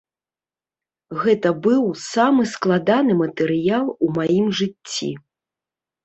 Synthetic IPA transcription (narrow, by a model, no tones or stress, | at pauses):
ɣɛt̪ɐbɨwsamɨsklˠad̪anɨmɐt̪ɛɾɨjalˠumajimʐɨt͡st͡sʲːḭ